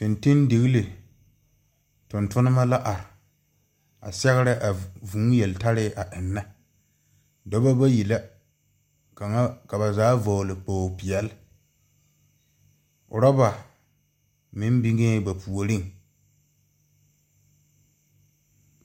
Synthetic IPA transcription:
tɪ˨ntɪ˦ndɪ˨ɣi˦le˨ | tʊ˨ntʊ˦nɪ˦ma˦la˦ʔa˨ɾɪ˨ | a̰˨sɛ˦ɣɪ˦ɾɪ˦ʔa˨vũː˨˦jɛ˨lta˦ɾɪ˦ʔa˨ʔɪ˨nːa˦ | dɔ˦ba˦ba˦ji˨la˦ | ka˨ŋa˦ka˨ba˨zaː˨˦vɔ˨lɪ˨poː˨pɪ˨ɛ˨l | ʔʊ̰˨ɾa˦ba˨ | mɪ˦mbi˦ŋeː˦ba˨pʰu˨o˨ɾɪ˦ŋ

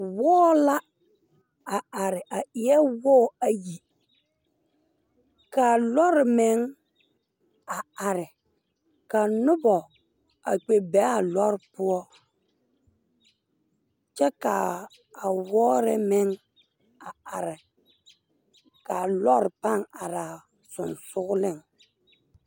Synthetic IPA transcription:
wɔː˦la˦ | a˨a˨ɾɪ˨ʔa˨ɪ˨ɛ˦wɔː˦˨a˨ji˨ | ka˨lɔ˦ɾɪ˨mɪ˦ŋ | a˨a˨ɾɪ˨ | ka˨nʊ˦bɔ˨ | a˨k͡pe˨bɛ˨˦a˨lɔ˦ɾɪ˦pʊ˦ɔ˦ | t͡ʃɛ˦ka˨ | a˨wɔː˦ɾɪ˦mɪ˦ŋ | a˨a˨ɾɪ˨ | ka˨lɔ˦ɾɪ˨pa˦˨ŋa˨ɾa˨ | sʊ˨nsʊ˦ɣʊ˦lɪ˦˨ŋ

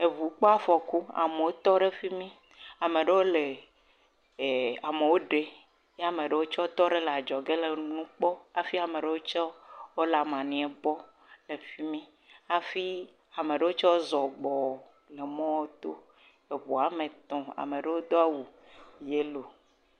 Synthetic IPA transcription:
e˨vu˨k͡pɔ˦a˦fɔ˨ku˦a̰˨me˨wo˦t̪ɔ˦ɖe˦fi˦mĩ˦ | a˨mẽ˨ɖe˦wo˦le˨ | a˨me˨wo˦ɖe˦ | je˦a˨mẽ˨ɖe˦wo˦t͡ʃɔ˦wo˦t̪ɔ˦ɖe˦le˨a˨d͡ʒɔ˨ɡe˦le˨nũ˦k͡pɔ˦a˨fi˦a˨me˨ɖe˦wo˦t͡ʃɔ˦wo˦la˨mã˨nĩ˨e˨bɔ˦ | le˨fi˦mĩ˦ | a˨fi˦ | a˨mẽ˨ɖe˦wo˦t͡ʃɔ˦wo˦zɔ˨ɡ͡bɔ˨ | le˨mɔ̃˦wo˦t̪o˦ | e˨βu˨a˨mẽ˨t̪ɔ̃˨a̰˨mẽ˨ɖe˦wo˦d̪o˦a˦wu˨ | je˦lo˨

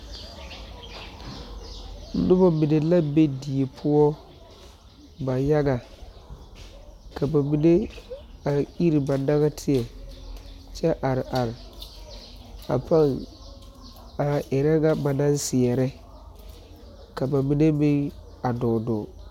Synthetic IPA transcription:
n̩˦nʊ˦bɔ˦mi˨ne˨la˦be˦di˨e˨pʰʊ˦ɔ˦ | ba˨ja˦ɡa˨ | ka˨ba˨mi˨ne˦a˨i˦ɾi˨ba˨da˦ɣa˦tʰɪ˨ɛ˨ | t͡ʃɛ˦ʔa˨ɾɪ˨ʔa˨ɾ | a̰˨pʰa˦ŋ | a˨ʔɛ˨ɾɛ˦ɡa˦ba˨na˦nsɪ˨ɛ˨ɾɛ˦ | ka˨ba˨mi˨ne˦mɪ˦ŋ | a˨dɔː˨dɔ˨

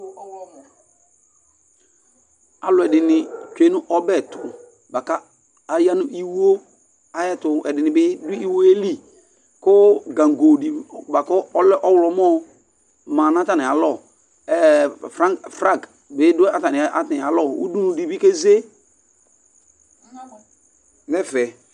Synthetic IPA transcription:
w | a˨lʊ˨ɛ˨dɪ˨nɪ˨t͡ʃe˨˦nʊ˦ʔɔ˦bɛ˦˨tʊ˨ | ba˨kaː˦˨ | ja˦nʊ˦ʔi˦wo˦ | a˨jɛ˦tʊ˨ʔɛ˨dɪ˨nɪ˨bɪ˦dʊ˦i˦wo˦e˦li˦ | kʊ˦ɡa˨ŋ˨ɡo˨di˨ba˨kɔ˦ɔ˦lɛ˦ʔɔ˦wlɔ˨mo˦ | ma˨n˦a˦ta˨nɪ˨a˨lɔ˦˨ | fɾa˦fɾa˦˨ɡ | bɪ˦dʊ˦a˦ta˨nɪ˨a˦ti˨a˨lɔ˦˨ṵ˦du˦nu˨di˨bi˦ke˦ze˦ | nɛ˦fɛ˨

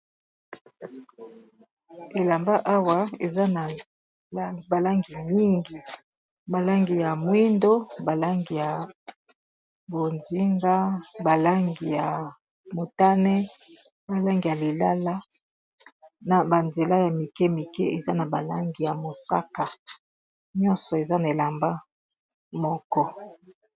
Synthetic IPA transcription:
e˨la˨mba˦ʔa˦wa˦e˨za˦na˨˦ | ba˨la˦ŋɡi˨mi˦ŋɡi˨ | ba˨la˦ŋɡi˨ja˨mwi˦ndo˦ba˨la˦ŋɡi˨ja˨ | bo˨nzi˦ŋɡa˦ba˨la˦ŋɡi˨ja˨ | mo˨ta˦nɛ˦ | ba˨la˦ŋɡi˨ja˨li˨la˦la˦ | na˨ba˨nze˨la˦ja˨mi˨kɛ˦mi˨kɛ˦e˨za˦na˨ba˨la˦ŋɡi˨ja˨mo˨sa̰˦ka˨ | ɲɔ̃˦nsɔ˨e˨za˦na˨e˨la˨mba˦ | mɔ˦kɔ˦

